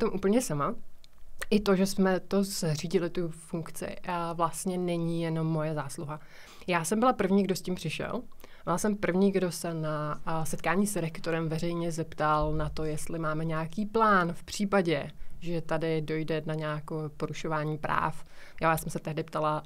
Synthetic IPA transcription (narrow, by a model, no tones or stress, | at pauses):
pt̪omʔuːpl̩ɲɛsama | ʔɪt̪o̞ʒɛsmɛt̪o̞zriːɟɪlɪt̪ufuŋkt͡sɪ̰vlast̪ɲɛnɛɲiːjɛno̞mːo̞jɛzaːsluɦa | jaːsɛmbɪlapr̩vɲiːɡdo̞scimpr̥ɪʃɛ̰lvalasɛmpr̩vɲiɡdo̞sɛnasɛt̪kaːɲiːsɾɛkt̪oɾɛmvɛrɛjɲɛzɛpt̪alnat̪o̞jɛst̪lɪmaːmɛɲaːkiːplaːnfpr̝̥iːpaɟɛʒɛt̪adɪdo̞jdɛnaɲaːkoːpo̞ɾuʃo̞vaːɲiːpɾa̰ːfjajaːsɛmsɛt̪ɛɦdɪpt̪ala